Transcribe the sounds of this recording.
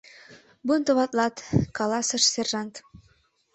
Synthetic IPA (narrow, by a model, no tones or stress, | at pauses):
bunt̪ŏβɑt̪lˠɑt̪kɑlˠɑsɤ̆ʃsʲerʒɑnt̪